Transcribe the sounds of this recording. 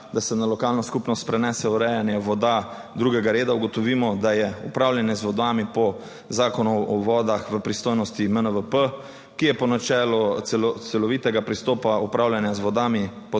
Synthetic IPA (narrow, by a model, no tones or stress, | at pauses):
d̪asɛnalɔkaːlnɔskupnɔst̪̚pɾɛnɛːsɛuɾɛjanjɛʋɔd̪a | d̪ɾuɡɛɡaɾeːd̪auɡɔt̪ɔʋiːmɔd̪ajɛupɾaːwljanjɛzʋɔd̪aːmipɔ | zaːkɔnuɔʋɔːd̪axʋəpɾist̪oːjnɔst̪imənəʋəpə | kijɛpɔnat͡ʃɛːlɔt̪sɛlɔt̪sɛlɔʋiːt̪ɛɡapɾist̪oːpaupɾaːwlʲjanjazʋɔd̪aːmipɔ